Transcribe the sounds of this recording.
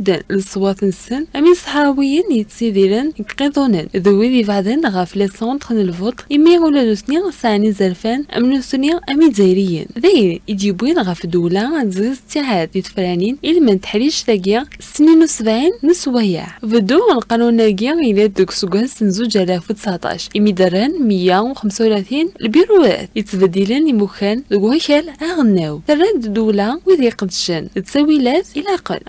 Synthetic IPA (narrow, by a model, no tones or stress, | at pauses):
d̪ənləsˤwɑθnəsənʔæmisˤħɑwəjənjət̪siðiɾənəɡqid̪ˤunənðəwiðivaʕðˤənɣæflæsant̪ˤxənəlfot̪ˤimːiulænuθnisʕnizəɾfænʔæ̰mnuθniʔæmidæjɾəjːə̰nðæjənid̪ibinɣæfd̪ulæzɣzət̪ːiʕad̪it̪əfɾæninilmænt̪ə̥ħɾiʃðæɡisninwsəbʕinnəswæja̰ʕfəd̪uəlqɑnunæɡiilæəɡsɡæsənzud͡ʒælæft̪ə̥saʕt̪ˤɑ̰ʃimid̪ɑɾˤənməjːæwxəmsawlæθinəlbiɾuæ̰t̪jət͡s̪ːbæd̪ːilənimukænd̪əɡwæçælaɣənːæwθərˤːɑd̪d̪ulæwiðiqəd̪ʃənət̪sæwilæt̪ilæqə̰l